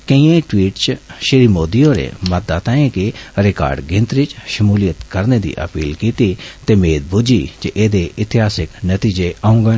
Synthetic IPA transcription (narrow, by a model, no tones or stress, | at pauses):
kɐ̃ĩːẽʈwiːʈt͡ʃʃɪɾimoːd̪ijõɾḛmɐd̪at̪ãːĩkeɾɪka̰ːɾɖɡẽnt̪ɾit͡ʃʃɐmuːlijət̪kɐɾned̪ḭːʔɐ̰piːlkiːt̪it̪emeːd̪̚bʊd͡ʒid͡ʒeʔeːd̪eɪt̪ɪɦaːsɪknɐt̪iːd͡ʒeʔaʊ̃ŋɡə